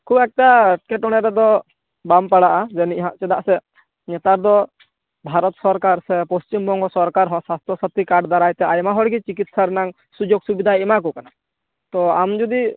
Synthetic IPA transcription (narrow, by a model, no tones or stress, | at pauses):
kʰubɛk̚ʈaʈi̥kɛʈɔɽ̃ɛɾɛd̪ɔ | bampaɽaʔad͡ʒɛniʔɦãʔt͡ʃɛd̪aʔsɛ | ɲɛt̪aɾd̪ɔ | bʱaɾɔt̪sɔɾkaɾsɛpɔst͡ʃimbɔŋɡɔsɔɾkaɾɦɔ̃swast̪ɔsɔt̪ikaɖd̪aɾajt̪ɛajmaɦɔɽɡit͡ʃikit̪saɾɛnaŋ | sud͡ʒoɡsubid̪ʱajimakɔkana | t̪ɔamd͡ʒud̪i